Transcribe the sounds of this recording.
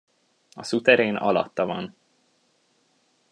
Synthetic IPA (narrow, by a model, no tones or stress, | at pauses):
ɒsut̪ɛɾeːnɒ̰lɒ̰t̪ːɒvɒn